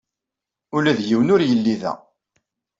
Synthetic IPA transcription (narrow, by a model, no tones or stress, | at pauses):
ʊlæðjiwnʊɾjəlːiðæ̰